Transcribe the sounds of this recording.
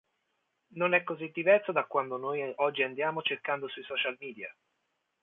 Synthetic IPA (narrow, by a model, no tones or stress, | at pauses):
nonɛkːozid̪ːivɛrsod̪akːwand̪onoːjɔd͡ʒːiand̪jaːmot͡ʃerkand̪osuisɔt͡ʃalmiːd̪ja̰